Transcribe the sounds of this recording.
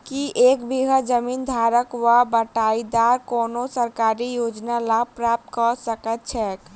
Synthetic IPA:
kiʔekbiɦəd͡ʒəmind̪ʱaɾəkwabəʈaid̪aɾkonosəɾkaɾijod͡ʒnalapɾap̚t̪kɔsəkət̪̚t͡ʃʰɛk

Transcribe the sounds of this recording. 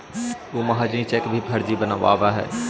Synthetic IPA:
umɐɦad͡ʒnĩt͡ʃeːkbʱibʱɐɾd͡ʒ̪ibənaʋa̰ːʋaɦɛ̰ː

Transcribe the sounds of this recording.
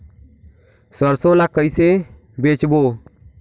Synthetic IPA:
səɾsolakəjse | bet͡ʃbo

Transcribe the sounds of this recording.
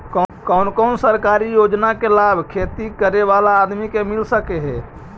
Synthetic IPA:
kkɔʊnkɔʊnsəɾkaɾijod͡ʒnakelabʱkʰet̪ikəɾeʋalaːd̪mikemilsəkeɦɛ

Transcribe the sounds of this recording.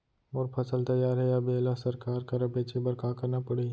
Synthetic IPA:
oːɾpʰɐsəlt̪ɐjːaːɾɦɛɐbeːlasɐɾkaːɾkɐɾɐbeːt͡ʃebɐɾkakɐɾnapɐɽe

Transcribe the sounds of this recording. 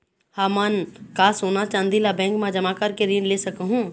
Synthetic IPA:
hamaːnkaːsoːnat͡ʃãːnd̪ilabɛ̃ːŋkmãd͡ʒɐmakəɾkeɾinlesəkɦũ

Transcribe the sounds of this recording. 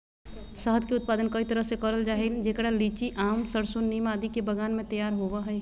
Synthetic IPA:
səɦəd̪keʊt̪̚paːd̪ənkɐit̪ɐɾəɦsekəɐɾəld͡ʒaːɦeld͡ʒeːkɽaliːt͡ʃiʔaːmsəɾsʊnːiːmaːd̪ikebəɡaːnmẽt̪ɐjaːɾɦoʋaɦɛː

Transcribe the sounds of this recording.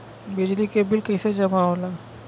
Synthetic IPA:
bid͡ʒlikebɪlkəjsed͡ʒəmaola

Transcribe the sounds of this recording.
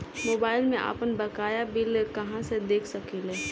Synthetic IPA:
moːbaːɪlmẽʔa̰pənbəkaːjabɪlkɐɦãsed̪eːkʰsəkileː

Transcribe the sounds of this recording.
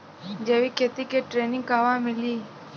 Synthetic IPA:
d͡ʒeːʋiːkʰeːt̪ikeʈɾeːnɪ̃ŋɡkaːʋãmɪliː

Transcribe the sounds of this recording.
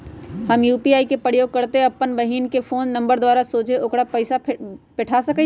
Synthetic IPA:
hɐmjuːpiaːikepɾəjoːɡ̚kɐɾt̪eɐpːənbɐɦiːnkefʰoːnːɐ̃mbəɾd̪waːɾasoːt͡ʃeoːkɽapɐɪsapɪʈʰasɐke

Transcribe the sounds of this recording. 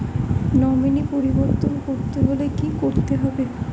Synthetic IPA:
nɔminipoɾiboɾt̪onkoɾt̪eɦolekikoɾt̪eɦɔbe

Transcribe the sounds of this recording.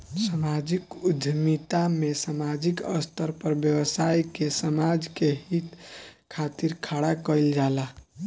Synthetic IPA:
samad͡ʒikud̪ʱmit̪amesamad͡ʒikə̰st̪ʰəɾpəɾbjəwəsajkesəmad͡ʒkeɦit̪kʰat̪iɾkʰaɽakəjld͡ʒala

